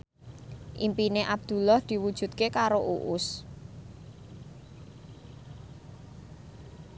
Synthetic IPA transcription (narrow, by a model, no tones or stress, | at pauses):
ʔimpineʔab̚d̪̥ṳlɔhd̪̥i̤wud̥ʒ̥ṳt̪̚kekaɾoʔuʔʊs